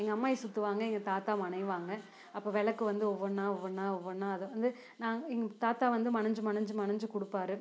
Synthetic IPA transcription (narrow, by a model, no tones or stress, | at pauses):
ɛŋɡɐɐmːaːɪsʊt̪ːɯʋaːŋɡɐɛŋɡɐt̪aːt̪aːmɐɳɐɪʋaːŋɡɐ | ɐpːoːʋɛɭɐkːɯʋɐnd̪ɯɔʋːɔnːaːɔʋːɔnːaːɔʋːɐnːaːɐðɯɐnd̪ɯ | nãːɛŋɡɐt̪aːt̪aːʋɐnd̪ɯmɐnɐɲd͡ʒɯmɐnɐɲd͡ʒɯmɐnɐɲd͡ʒɯkʊɽɯpːaːɾɯ